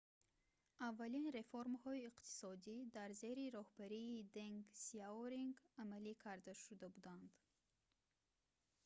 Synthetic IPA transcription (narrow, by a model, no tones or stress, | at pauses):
avːalinɾe̞foɾmhɔiːqt̪ʰi̥sɔd̪id̪aɾze̞ɾiɾɔhbaɾiːd̪eŋɡsiaoɾiŋɡamalikʰaɾd̪aʃud̪abud̪and̪